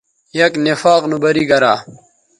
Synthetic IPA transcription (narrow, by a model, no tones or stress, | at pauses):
jɐknefaːqnubɐɾiːɡɐɾaː